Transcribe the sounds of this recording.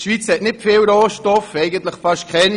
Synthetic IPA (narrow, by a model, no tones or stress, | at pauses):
ʃʋit͡shɛtnɪtfɪːlɾoːʃtɔfɛɪɡəntləχfaʃtkʰχɛn